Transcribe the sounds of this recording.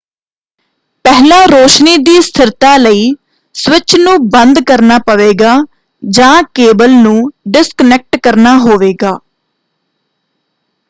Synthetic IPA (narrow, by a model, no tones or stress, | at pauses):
pɛɦlãːɾoːʃniːd̪iːst̪ʰɪɾt̪aːləiː | sʋɪt͡ʃʰnũːbənd̪kəɾnaːpəʋeːɡaː | d͡ʒãːkeːbəlnũːɖɪskənɛk̚ʈkəɾnaːɦoːʋeːɡaː